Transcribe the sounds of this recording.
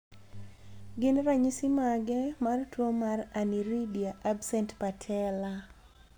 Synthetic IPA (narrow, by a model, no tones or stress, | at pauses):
ɡɪnɾaɲisimaɡɛmartwomaraniɾidiaʔabsɛntpatʰɛla